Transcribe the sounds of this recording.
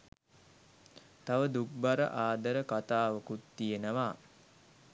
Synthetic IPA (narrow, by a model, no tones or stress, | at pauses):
t̪aʋəd̪uk̚baɾə̰ʔaːd̪əɾəkat̪aːʋəkut̪ːijenəʋaː